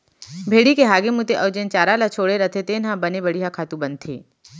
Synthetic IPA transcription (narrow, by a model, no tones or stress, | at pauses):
bʱeːɽikeɦaːɡemʊt̪eʔɐːd͡ʒent͡ʃaːɾalat͡ʃʰoːɽeɾɐt̪ʰet̪eːnɦãbɐnebɐɽiɦakʰaːt̪ũbɐ̃nt̪ʰḛː